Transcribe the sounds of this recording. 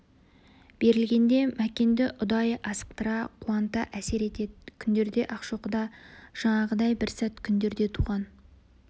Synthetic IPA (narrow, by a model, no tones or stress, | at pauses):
b̥e̞ɾɪlɡʲe̞nd̪e̞mækʲe̞nd̪ɪʔʊd̪ɑjɑsə̥q̚t̪əɾɑqʰuɑnt̪ɑʔæse̞ɾe̞t̪e̞d̪ɪkʲʰʏnd̪e̞ɾd̪e̞ʔɑqʃoqəd̪ɑʒ̥ɑɴɑʁəd̪ɑjbɪɾsæt̪kʲʰʏnd̪e̞ɾd̪e̞t̪ʰuʁɑn